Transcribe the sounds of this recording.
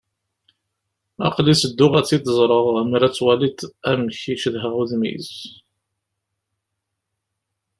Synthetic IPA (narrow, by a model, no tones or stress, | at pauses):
ɑ̰qlisəd̪ːʊʁæt͡sːid̪əzˤɾˤəʁmiɾæt͡sːwælit̪æmçiʃðɦəʁuðmḭz